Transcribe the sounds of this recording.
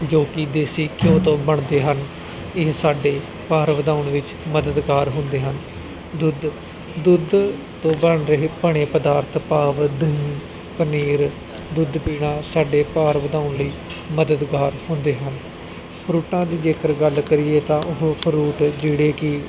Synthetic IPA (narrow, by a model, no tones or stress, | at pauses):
d͡ʒoːkɪd̪eːsiːkɪjõːt̪õːbəɳd̪eːɦən | ɪɦsaːɖeː | paːɾʋəd̪aːʊɳʋɪt͡ʃ | məd̪əd̪ɡaːɾɦʊ̃nd̪eːɦən | d̪ʊd̪ | d̪ʊd̪ | t̪õːbəɳɾəɦeːpəɳeːpəd̪aːɾt̪ʰpaːʋd̪əĩː | pəniːɾ | d̪ʊd̪piːɽãːsaːɖeːpaːɾʋəd̪ãːʊɳliː | məd̪əd̪ɡaːɾhʊ̃nd̪eːɦən | pʰəɾuːʈãːd̪iːd͡ʒeːkəɾɡəlkəɾɪːeːt̪ãːʔʊɦpʰəɾuːʈd͡ʒeːɽeːkɪ